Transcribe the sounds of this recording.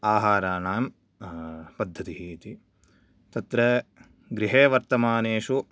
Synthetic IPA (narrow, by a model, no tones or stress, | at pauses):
aːɦaːɾaːnaːm | pɐd̪ʱːɐt̪iɦiːt̪i | t̪ɐt̪ɾɐ | ɡɾiɦeːʋɐɾt̪ɐmaːneːʃu